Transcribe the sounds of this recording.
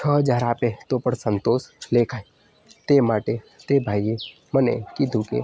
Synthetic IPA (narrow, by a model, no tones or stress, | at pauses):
t͡ʃʰəd͡ʒaːɾaːpet̪opəɾsənt̪oːsleːkʰai | t̪emaːʈe | t̪ebʱaːje | mənḛkid̪ʱũkḛ